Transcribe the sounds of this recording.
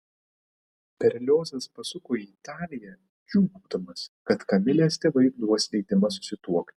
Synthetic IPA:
pʲɛɾʲlʲoːsʲɛspɐsʊkoːiːt̪ɑːlʲɪjɛ | kʲuːbuːd̪ɐmɐskɐt̪kɐmʲɪlʲeːst̪ʲeːʋɐɪɾd̪uɔsʲlʲɛɪd̪ʲɪmɐsʊ̥sʲɪt̪uɔkt̪ʲ

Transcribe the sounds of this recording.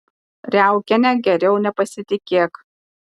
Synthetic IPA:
ɾʲæˑʊkʲɛnʲɛɡʲɛɾʲɛʊnʲɛpɐsʲɪt̪ʲɪkʲeːk

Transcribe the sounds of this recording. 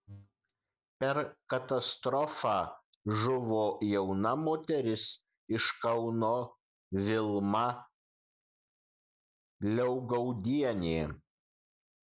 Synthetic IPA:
pʲɛɾkɐt̪ɐst̪ɾɔfɑː | ʒʊʋoːjɛʊnɐmoːt̪ʲɛɾʲɪs | ɪʃkɐʊnoː | ʋʲɪlˠmɐ | lʲɛʊɡɐʊd̪ʲiɛnʲeː

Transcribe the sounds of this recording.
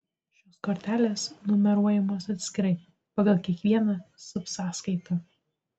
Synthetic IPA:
ʃʲoːskoːɾʲt̪ʲæːlʲeːsnʊmʲɛɾuɔjɛmoːsɐt̪ʲsʲkʲɪɾɐɪ | pɐɡɐlˠkʲiɛkʋʲiɛnɑsʊpsɑːskɐɪt̪ɐ

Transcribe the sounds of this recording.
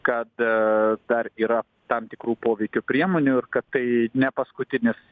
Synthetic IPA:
kɐt̪d̪ɐriːɾɐ | t̪ɐmt̪ʲɪkɾuːpoːʋʲɛɪkʲʊpʲɾʲiɛmoːnʲʊɪrkɐt̪tɐɪnʲɛpɐskʊt̪ʲɪnʲɪs

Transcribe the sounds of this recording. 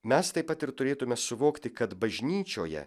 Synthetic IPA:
mʲɛst̪ɐɪpːɐt̪ɪɾt̪ʊɾʲeːt̪ʊmʲɛsʊʋoːkt̪ʲɪkɐt̪bɐʒʲnʲiːt͡ʃʲoːjɛ̰

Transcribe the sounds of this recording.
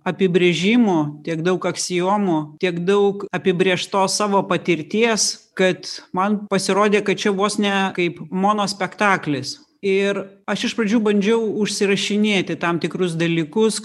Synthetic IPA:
ɐpʲɪbʲɾʲeːʒʲɪmʊt̪ʲiɛkd̪ɐʊkɐksʲɪjoːmʊt̪ʲiɛkd̪ɐʊkɐpʲɪbʲɾʲeɛʃt̪oːssɑːʋoːpɐt̪ʲɪɾʲt̪ʲiɛskɐt̪mɐnpɐsʲɪɾoːd̪ʲeːkɐt̪̚t͡ʃʲɛʋoːsnʲɛkɐɪpmoːnoːsʲpʲɛkt̪ɑːklʲɪs | ɪɾɐʃɪʃpɾɐd͡ʒʲuːbɐnʲd͡ʒʲɛʊʊʃʲsʲɪɾɐʃʲɪnʲeːt̪ʲɪt̪ɐmt̪ʲɪkɾʊs̬d̪ɐlʲiːkʊs

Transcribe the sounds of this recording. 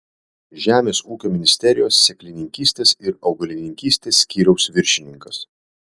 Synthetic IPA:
ʒʲæːmʲeːsuːkʲoːmʲɪnʲɪsʲt̪ʲɛɾʲɪjoːsːʲɛklʲɪnʲɪŋʲkʲiːsʲt̪ʲeːsɪɾɒʊɡɐlʲɪnʲɪŋʲkʲiːsʲt̪ʲeːsːʲkʲiːɾʲɛʊsʋʲɪɾʲʃʲɪnʲɪŋkɐs

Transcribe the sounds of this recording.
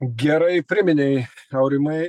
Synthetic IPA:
ɡʲɛɾɐɪpʲɾʲɪmʲɪnʲɛɪɐʊɾʲɪmɐɪ

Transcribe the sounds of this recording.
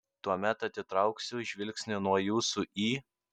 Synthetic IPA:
t̪uɔmʲɛt̪ɐt̪ʲɪt̪ɾɐʊksʲʊʒʲʋʲɪlʲksʲnʲɪnuɔjuːsʊʔiː

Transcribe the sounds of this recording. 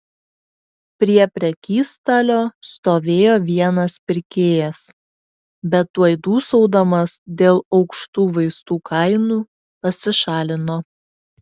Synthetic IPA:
pʲɾʲiɛpʲɾʲɛkʲiːst̪ɐlʲoːst̪oːʋʲeːjoːʋʲiɛnɐspʲɪɾʲkʲeːjɛs | bʲɛt̪ːuːɐɪd̪uːsɔʊd̪ɐmɐsd̪ʲeːlˠɒʊkʃt̪uːʋɐɪst̪uːkʰɐɪnuː | pɐsʲɪʃɑːlʲɪnoː

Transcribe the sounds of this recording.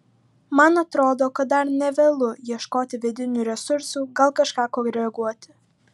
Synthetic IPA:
mɐnɐt̪ɾoːd̪oːkɐt̪̚d̪ɐɾnʲɛʋʲeːlˠʊiɛʃkoːt̪ʲɪʋʲɪd̪ʲɪnʲuːɾʲɛsʊɾsuːɡɐlˠkɐʃkɑːkoːɾʲɛɐɡuɔt̪ʲɪ̥

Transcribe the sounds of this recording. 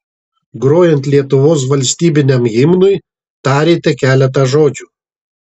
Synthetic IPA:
ɡɾoːjɛnʲt̪ʲlʲiɛt̪ʊʋoːs̬ʋɐlʲsʲt̪ʲiːbʲɪnʲɛmɣʲɪmnʊj | t̪ɑːɾʲeːt̪ʲɛkʲæːlʲɛt̪̬ɐʒoːd͡ʒʲuː

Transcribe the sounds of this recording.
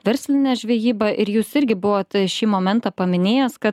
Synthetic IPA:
ʋʲɛɾʲsʲlʲɪnʲɛːʒʲʋʲɛːjiːbɐʔɪɾjuːsɪɾʲɡʲɪbʊʋoːt̪ʃʲiːmoːmʲɛnt̪ɐpɐmʲɪnʲeːjɛskɐt̪

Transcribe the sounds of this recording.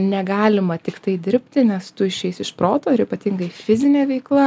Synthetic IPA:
nʲɛɡɑːlʲɪmɐt̪ʲɪkt̪ɐɪd̪ʲɪɾʲpʲt̪ʲɪnʲɛst̪ʊɪʃʲɛɪsɪʃpɾoːt̪oːɪɾiːpɐt̪ʲiŋɡɐɪfʲɪzʲɪnʲeːʋʲɛɪklˠɐ

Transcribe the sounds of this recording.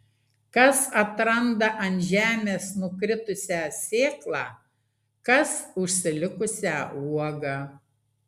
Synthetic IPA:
kɐsɐt̪ɾɐnd̪ɐʔɐnʲt̪ʲʒʲæːmʲeːsnʊkɾʲɪt̪ʊsʲæsʲeːklˠɑː | kɐsʊʃʲsʲɪlʲɪkʊsʲæːuɔɡɑː

